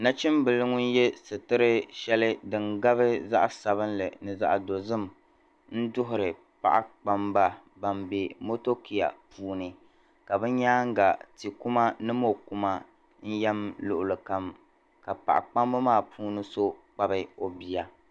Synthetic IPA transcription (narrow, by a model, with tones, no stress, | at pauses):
na˦t͡ʃɪ˦mbɨ˨lɨ˦ŋʊ˦n˦jɛ˦sɨ˨tɨ˦ɾɨ˦ʃɛ˦lɨ˦dɨ˨ŋɡa˦βɨ˦za̰˦ʔsa˨βɨ˦nlɨ˨nɨ˨za̰˦ʔa˨do˨zɨ˦m | n̩˦dʊ˦ɦʊ˨ɾɨ˨ | pa̰˦˨ʔa̰˦k͡pa˦mba˦ | ba˨mbe˨mo˦to˦kʰi˨a̰˨puː˦nɨ˨ | ka˨bɨ˦ɲaː˦ŋ˦ɡa˨ti˨ku˦ma˦nɨ˦mo˦ku˦ma˦ | n̩˦jɛ˦mlʊ˨ʔʊ˨lɨ˨ka˨m | ka˨pa̰˨ʔa̰˨k͡pa˦mba˦maː˦˨pʰuː˦nɨ˦so˦k͡pa˦bɨ˦o˨bi˨ja˨